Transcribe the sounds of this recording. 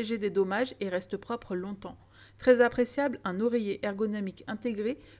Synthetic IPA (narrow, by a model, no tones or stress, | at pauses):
eʒed̪ed̪ɔmaʒeʁɛst̪əpχɔpχəlɔ̃t̪ɑ̃ | t̪χɛzapχesjablɛ̃nuʁejeʔɛʁɡɔnɔmikɛ̃t̪eɡʁe